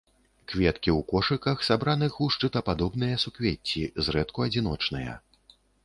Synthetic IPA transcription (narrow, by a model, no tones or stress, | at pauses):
kvʲɛt̪kʲiwkɔʂɨkɐxsabɾanɨxuʂt͡ʂɨt̪ɐpad̪ɔbnɨjɐsukvʲet͡sʲːizrɛt̪kuɐd͡zʲin̪ɔt͡ʂnɨjɐ̰